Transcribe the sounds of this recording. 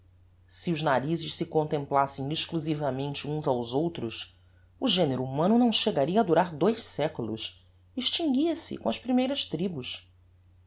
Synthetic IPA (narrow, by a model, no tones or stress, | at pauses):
siʊznaɾizɪʃsɪkõnt̪ẽmplasẽj̃iʃkluzivɐmẽnt͡ʃɪũzawzowt̪ɾʊs | ʊʒeneɾuumɐ̃nʊnɐ̃w̃ʃeɡaɾiɐːd̪uɾaɾd̪ojʃsɛkulʊ̰s | iʃt͡ʃĩŋɡʲiɐsɪ̰kõɐspɾimejɾɐʃt̪ɾibus